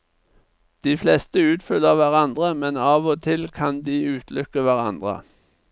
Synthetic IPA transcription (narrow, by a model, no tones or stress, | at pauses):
d̪̥iːflɛst̪əʉːt̪fʏləʁʋæʁɑnd̪ʁəmɛnɑːʋoːt̪ʰɪlkʰɑnd̪iːʉːt̪ʰlʏkəʋæʁɑ̰nd̪ʁə̰